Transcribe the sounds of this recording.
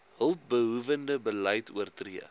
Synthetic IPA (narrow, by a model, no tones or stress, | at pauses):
ɦəlˠp̚bəɦuvəndəbələjtʰuərtriə